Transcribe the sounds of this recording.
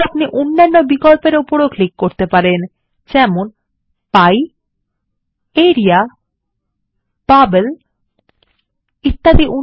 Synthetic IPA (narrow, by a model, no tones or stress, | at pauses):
apniʔonːanːobikolpeɾupoɽoklikːoɾt̪epaɾen | d͡ʑɛmon | paj | eɾia | b̥abel | it̪ːad̪iʔu